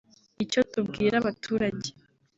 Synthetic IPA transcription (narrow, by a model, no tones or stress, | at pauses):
ico̞tubɡiːɾaβatʰuːɾaɟe